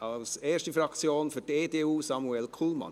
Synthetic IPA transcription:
ʔɑlseːʂtəfɾɑksjoːnfɔdeːt̪eːuːsɑmʊɛlkʰulmɑ̰n

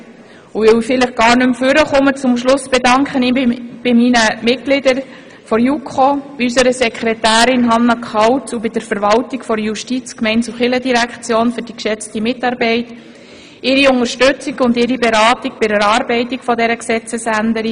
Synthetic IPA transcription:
uɪwfɪləχɡ̥ɑːɾnʉmføɾəχʊmət͡sʊmʃlʊsb̥ɛdɑŋkχənib̥ɪminəmɪt̚ɡ̥lɪdəɾ | fɔɾjukʰχob̥iysəɾəsɛkʰχɾɛtæːɾɪnɦɑnːɑkχɑwt͡subɪd̥əɾfəɾʋɑltikfɔɾjuʃtit͡skmɛɪnsuχɪlədiɾækχt͡sjoːnfʏɾd̥ikʃɛt͡stimɪtɑɾbɛɪt | ɪɾiʊŋəɾʃtʉt͡siɡʊndɪɾibeɾɑːtiɡ̚b̥ɪɾəɾɑːɾbɛɪtikfɔdɛɾəksɛt͡səsændəɾi

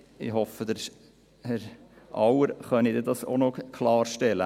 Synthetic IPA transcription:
ɪ̰ɦɔfəd̥̪ɛ | hɛɾʔɑwəɾχœnid̪ed̪ɑso̰nokʰlɑːɾʃtɛlə̰

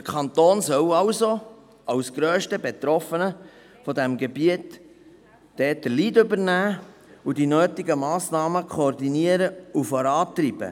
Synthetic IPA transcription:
əkʰɑnt̪oːnsœwɑwso | ɑwsɡ̥ɾøːʃtəbet̪ɾɔfənə | fɔd̪ɛmɡebiətː | ɛːt̚dəliːdʏbəɾnæːudinøːtɪɡəmɑːsnɑːməkʰoːrdiniəɾəufɔɾɑːt̪ɾib̥ə̰

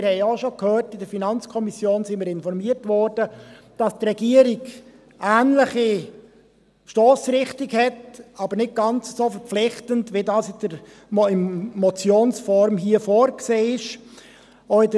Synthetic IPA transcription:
ɪɾhɛɪoʃokhøːrtɪdəɾfinɑnt͡skʰɔmisjoːnsɪnmɪːɾɪnfɔɾmiːərtvɔɾdə | d̥ɑstrɛɡiəɾiɡ | ʔæːnləχi | ʃtoːsɾɪχtɪɡhɛtɑbəɾnɪt̚ɡ̥ɑnt͡səsoːfɛɾp͡flɪχtəntvʋidɑːsɪd̥əɾ | ɪmmɔt͡sjoːnsfɔɾmɦiːəfoːɾkseːɪʃ | oɪdə

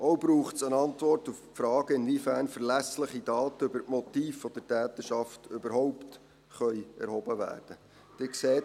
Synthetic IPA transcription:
ʔowbɾuːχtsənɑntʋɔrtuffɾɑːɡ̥əɪnvifæːɾnfəɾlæsləχidɑːtəøbəɾtmɔt̪iːfːɔd̥ətæːt̪əʃɑftʏbəɾɦɔʊpt | χœjɛ̰ɾhɔbəʋæ̰ːrd̥ə | d̥ɪkseːt

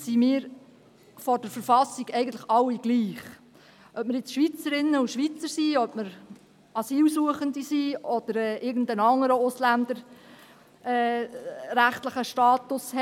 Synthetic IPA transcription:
simɪːɾ | fɔɾd̥əɾfəɾfɑsiɡɛɪɡən̩t̪ləχɑlːiɡ̥liːχ | ʔœp̚məɾjɪt͡sʃʋit͡səɾɪnːəuʃʋit͡səɾsiœpməɾ | ɑsiːlsuəχənd̪isiɔd̪̥əɾɛːʔɪɾɡən̩d̪ənɑŋːəɾəʊslænd̪əɾ | ɛ | ɾæχt̪ləχəʃtɑːt̪ʊshɛ

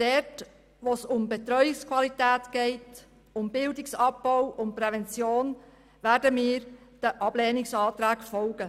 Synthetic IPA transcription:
d̥ɛt | ʋosʊmbet̪ɾœjɪkskʰwɑlitɛːtɡ̥ɛɪt | ʊmbɪldɪksɑb̚b̥ɔʊwʊnt̚pɾɛvɛnt͡sjoːn | ʋæːɾdəmiːɾd̥əʔɑb̥lɛːnɪksɑːt̪ɾæːkfɔlɡ̥ə

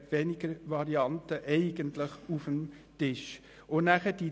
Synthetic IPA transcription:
tʋɛnɪɡəɾʋɑɾiɑntəʔɛɪɡəntləχufəm | tɪʃ | onæχəd̥i

